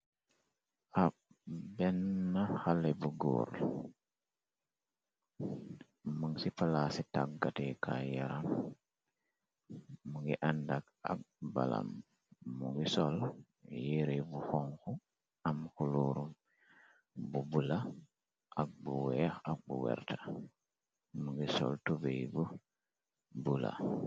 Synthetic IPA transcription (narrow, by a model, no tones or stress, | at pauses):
ʔabɛnːaxalebuɡo̰ːɾ | muŋsifalasitakːatekʰa̰jaɾam | muŋɡiʔandak̚ | a̰k̚ba̰la̰mː | uŋɡisol | jiɾebuxoŋku | amkuluːɾum | bubula | ʔak̚buwɛxak̚buwɛ̰ɾtʰḁ | muŋɡiso̰ltubejbu | bula̰